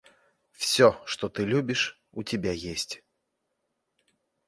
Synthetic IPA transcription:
fsʲɔʂt̪ɔt̪ɨlʲubʲiʂ | ut͡sʲɪbʲajesʲt͡sʲ

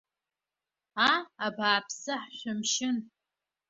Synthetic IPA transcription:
aabaːpʰsɨħɕʷʊmʃɪn

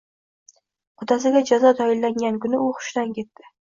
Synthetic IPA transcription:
qʰʊd̪asɪɡʲad͡ʒazɒt̪ʰɒjɪlːaŋɡʲankʊnɪʊχʊ̥ʃd̪ankʲʰe̞t̪ːɪ

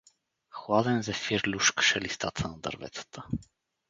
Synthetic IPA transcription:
xwad̪ɛnzɛfiɾlʲuʃkə̥ʃɛlist̪a̰t̪ʰənɐd̪ɐ̰ɾvɛ̰t̪sə̥t̪ʰə

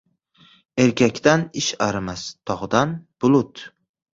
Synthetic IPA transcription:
e̞ɾkʲʰakʲt̪anɪʃaɾɪmast̪ʰɒʁd̪anb̥ʊlˠʊt̪

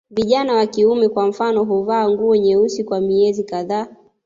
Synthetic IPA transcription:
viʄanawakiumɛkwam̩fanɔɦuvaːŋɡuɔɲɛusikwamiɛzikaðaː

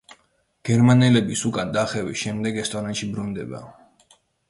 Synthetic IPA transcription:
ɡ̥ɛɾmanɛlɛbisukʼand̪aχɛvisʃɛmd̪ɛɡɛst̪ʼɔnanʃibɾund̪ɛba̰

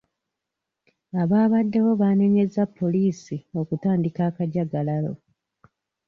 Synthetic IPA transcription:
aβaːβadːe̞wo̞βane̞ɲe̞zapʰːo̞liːsio̞kutaːndikaːkaɟaɡalalo̞̰

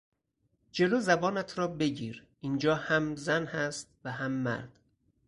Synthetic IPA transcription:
d͡ʒe̞loːzæbɒːnæt̪ʰɾɒːbe̞ɟiːɾ | ind͡ʒɒːhæmzænhæst̪̚væɦæmːæ̰ɾd̪̥

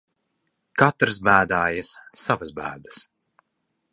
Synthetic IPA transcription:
kat̪ɾɨsbæːd̪aːjɐsːavasbæ̰ːd̪ɨ̥s

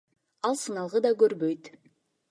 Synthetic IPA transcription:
ɑlˠsɯnɑlˠʁəd̪ɑkøɾbøjt̪

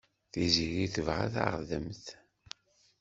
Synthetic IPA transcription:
θiziɾiθəvʁa̰θa̰ʁðəmθ

